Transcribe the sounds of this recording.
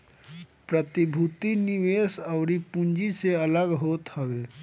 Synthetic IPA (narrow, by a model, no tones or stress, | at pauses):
pɾət̪ibʱut̪iniʋeːsəʊɾipũnd͡ʒiseələɡɦoːt̪həʋeː